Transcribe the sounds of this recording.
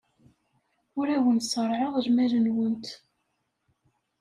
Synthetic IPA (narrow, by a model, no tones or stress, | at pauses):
ʊɾæwənsˤəɾˤʕəʁʒmæɾənwənt̪